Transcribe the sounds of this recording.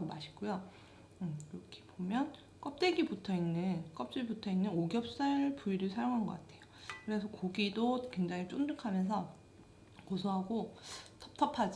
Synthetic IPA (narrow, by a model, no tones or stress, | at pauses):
aɡomaɕʰi̥ɡujo | ɯkɾʌkʰe̥pomjʌn | k͈ʌp̚t͈eɡibutʰʌinːɯnk͈ʌp̚t͡ɕ͈eɡibutʰʌinːɯnoɡjʌp̚s͈aɭpuiɾɯɭsʰajoŋɦanɡʌk͈atʰe̞jokɯɾe̞sʰʌkoɡidokwe̞ŋd͡ʑaŋit͡ɕ͈ondɯkʰamjʌns̬ʰʌ | kosʰoɦaɡotʰʌp̚tʰʌpʰad͡ʑi